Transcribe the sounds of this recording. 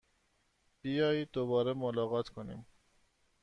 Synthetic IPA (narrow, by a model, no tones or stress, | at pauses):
b̥ijɑːjid̪oβɒːɾɛmolɑːɣɑːt̪kʰonḭm